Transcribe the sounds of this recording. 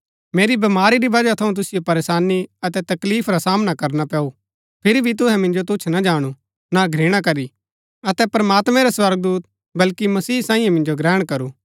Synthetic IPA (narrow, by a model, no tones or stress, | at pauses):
meːɾibɐmaːɾiɾiʋɐd͡ʒat̪ʰɐũt̪̬ʊsɪjopɐɾeːsaːnːiɐt̪ɛt̪ɐkliːpʰɾasaːmnakɐɾnapɛːu | pʰɪɾibʱit̪̬ʊɦɛ̃mɪ̃nd͡ʒot̪̬ʊt͡ʃʰnad͡ʒaːɽ̃u | naɡʱɾeːɽ̃ak̬ɐɾi | ɐt̪ɛpɾɐmaːt̪mɛ̃ɾaswɐɾɡ̚d̪uːt̪ | bɐlkimɐsiːsãːĩːjẽmɪ̃nd͡ʒoɡɾɛːɽ̃kɐɾuː